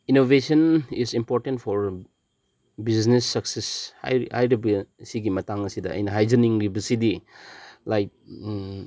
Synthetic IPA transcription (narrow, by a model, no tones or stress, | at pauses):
inobesɐnisimpoɾtentpʰɔɾ | biznesːɐksesha̰jhajɾibɐsiɡimɐtaŋɐsidɐɐ̰jnɐɦajd͡ʒɐniŋɾibɐsidi | lajk̚